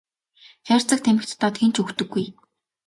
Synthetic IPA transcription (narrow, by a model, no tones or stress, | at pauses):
xʲar̥ʲt͡sə̆k̚t̪ʰæmɘ̆kt̪ːɔːt̪ɡent͡ɕɵxt̪ɵ̆ɡːuj